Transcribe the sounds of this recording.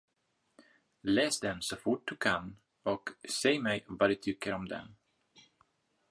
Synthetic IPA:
lɛːsd̪ɛnsɔfʊʈ̚d̪ɵkʰan | ɔksɛjmɛjvad̪ɵt̪ʰʏkːəɾɔmd̪ɛ̰n

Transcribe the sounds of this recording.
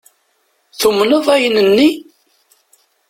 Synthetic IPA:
θumnəðˤæjnənːi

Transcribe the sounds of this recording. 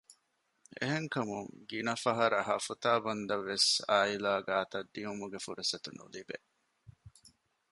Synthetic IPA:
ḛɦeŋkɐmuŋɡinɐfɐɦɐɾɐɦɐfut̪aːbɐnd̪ɐʋːesaːilaːɡaːt̪ɐd̪ːiumuɡefuɾesɐt̪unṵlibḛ

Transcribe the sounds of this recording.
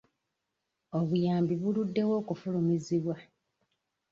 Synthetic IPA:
oβujaːmbiβuludːe̞wo̞ːkufulumiziβwa

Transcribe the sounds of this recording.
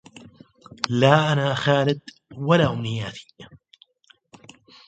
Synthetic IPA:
laːʔanaːxaːlɪd̪ | walaːʔʊmnɪjaːt̪i̥

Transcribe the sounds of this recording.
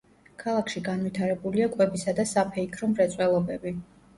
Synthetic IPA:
kʰalˠakʰʃiɡanvit̪ʰaɾɛbuliakʼwɛbisad̪asapʰɛikʰɾɔmɾɛt̪sʼwɛlˠɔbɛbi

